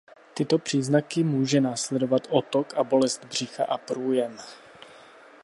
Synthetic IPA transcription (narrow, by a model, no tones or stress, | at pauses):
t̪ɪt̪opr̝̥iːznakɪmuːʒɛnaːslɛdo̞vat̪ʔot̪okabo̞lɛzt̪br̝̥ɪxa̰ʔapɾuːjɛm